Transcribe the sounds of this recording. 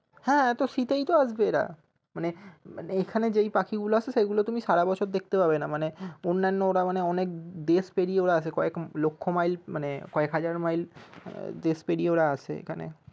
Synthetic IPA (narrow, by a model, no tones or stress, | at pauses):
hɛ̃ːt̪oʃit̪ejt̪oaʃbeeɾa̰ | manemaneekʰaned͡ʑejpakʰiɡuloat͡ɕʰeʃeɡulot̪umiʃaɽabɔt͡ɕʰoɾd̪ek̚ʰt̪epabenamaneonːanːooɽamaneɔnek̚d̪eʃpeɽieoɾaat͡ɕʰekɔeklokʰːomajlmanekɔekɦad͡ʑaɾmajl | d̪eʃpeɽieoɽaat͡ɕʰḛḛkʰanḛ